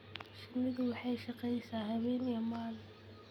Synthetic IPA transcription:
ʃɪmɪðʊwɑħɑjʃɑqɛjsaːɦɐβɛːnijɐmaːl

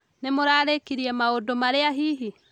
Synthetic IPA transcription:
nemoɾaːɾekiɾiemaodomaɾeaɦiːɦi

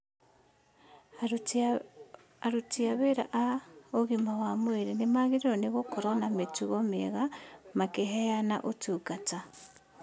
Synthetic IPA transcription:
aɾutiaβeɾaʔaoɣimawamweɾenemaɣiɾeɾoneɣokoɾonametuɣomḛɣamakeɦejana̰ʔotukata

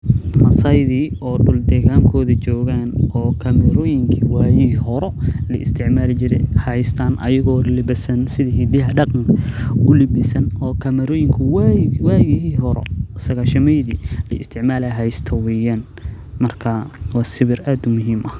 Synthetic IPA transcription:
mɐsɐjðiː | ɔːɖʊld̪ɛːɣaːŋkʰɔːðɐt͡ʃɔːɣaːnɔːkʰɐmɛɾɔːjɪŋkʰiwaːjiɦɔɾɔlɐ̰ɪ̰st̪ʰɪʕmaːlɪt͡ʃɪɾɛjhɐjst̪ʰaːnʔɐ̰jɐɣɔːlɪbɪsɐnsɪðiɦɪd̪ɪɦɐɖɑqŋkʰɐʊlɪbɪsɐnɔːkʰɐmɐɾɔːjɪŋkʰʊwwaːjiiɦɔɾɛ̰sɐɣaːʃɐmɛjðiːlɐɪ̰st̪ʰɪʕmaːlɛɦɐjst̪ʰɐwɛːjaːn | mɐrkʰɐwɑːsɪβɪraːd̪ʊmʊɦiːmʔɐh

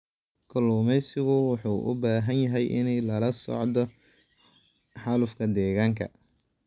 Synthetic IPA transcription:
kʰʊlʊːmɛjsɪɣʊwɑħuːʔʊ̰baːɦɐnjɐɦɛjʔɪ̰nɛjlɐlɐsɔ̰ʕd̪ɔ | ħɑlʊfkʰɐd̪ɛːɣaːŋkʰɐ̰

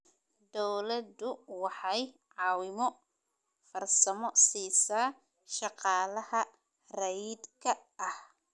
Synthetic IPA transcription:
d̪ɔwlɐd̪ʊwɑħɑj | ʕɑːwɪmɔ | fɐrsɐmɔsiːsaː | ʃɑqɑːlɐhɐ | rɛjd̪kʰɐ | ʔɐh

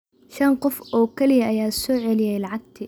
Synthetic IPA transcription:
ʃɐnqɔfʔɔːkʰɐlɪjɐɐjaːsɔːʕɛlɪjɛjlɐʕɑɡ̚t̪ʰɪ

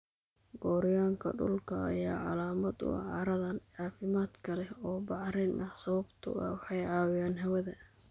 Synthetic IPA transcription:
ɡɔːɾɪjaːŋkʰɐ̰ɖʊ̰lkʰɐ̰ːjaːʕɑlaːmɐd̪ʊ̰ʕɑɾɐlɐnʕɑːfɪmaːd̪kʰɐlɛɔːbɑʕɾɪnmɑħsub̚t̪ʰʊ̰ɐ̰wɑħɑjʕɑːwɪjaːnɦɐwɐðɐ

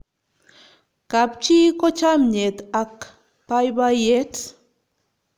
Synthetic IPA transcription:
kap̚t͡ʃikot͡ʃamɲet̪ak | pajbajet͡s

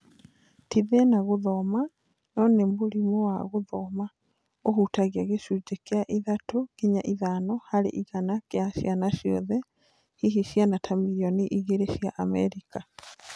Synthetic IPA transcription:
tiðɛnaɣoðɔma | nɔnemboɾimowaɣoðɔma | oɦutaɣiaɣeʃud͡ʒekeaʔiðatokeɲaʔiðaːnɔhaɾḛʔiɣanakeaʃjanaʃjɔðɛ | hiɦiʃjanatʰamijɔniʔiɣeɾeʃjaʔamɛɾika

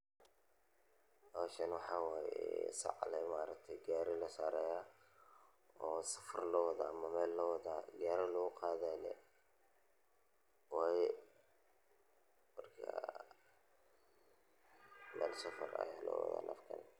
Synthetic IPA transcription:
ɔːʃɐnwɑħɑːwaːjɛ̰sɑ̰ʕlɛmaːɾɐk̚t̪ʰɛjɡaːɾɪlɐsaːɾɛːja | ɔːsɐ̥fɐrlɐwɐðaɐmɐmɛːlːɐwɑðaɡaːɾɪlɐɣʊqʰɑːðɛlɛ̰ | waːjɛ | mɐrkʰɐ̰ | lɛ̰lsɐfɐ̰rɐ̰ja̰ːlɔ̰wɐ̰ða̰ːlʔɐ̰fkʰɐ̰n

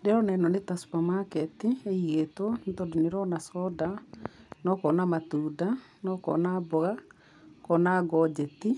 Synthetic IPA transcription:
deɾɔnɛnɔnetasu̥pamakɛtieiɣetwɔntɔdoneɾɔnasɔda | nɔkɔnamatuda | nɔkɔ̰naːbɔɣa | kɔnaɡɔd͡ʒɛti

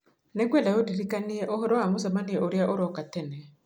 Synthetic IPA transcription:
nɛkwɛlajodiɾikʼaniɛʔɔɦɔɾɔɦamʊzamaniɛʔoɾiaʔʊɾɔkatɛnɛ

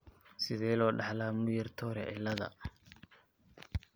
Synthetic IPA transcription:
sɪðɛːlɔːɖɑħlaːmʊjɐrt̪ʰɔːɾɛ̰ʕɪlːɐðɐ̰

